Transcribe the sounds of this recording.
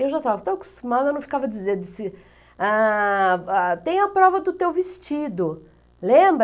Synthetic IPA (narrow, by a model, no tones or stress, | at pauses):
ewʒat̪avɐt̪oɐkʊ̥st̪umad̪ɐenɐ̃w̃fi̥kavɐd͡ʒized͡ʒisɪ | a | at̪ẽj̃ɐpɾɔvɐd̪ʊt̪ewvist͡ʃid̪ʊ | lẽbɾ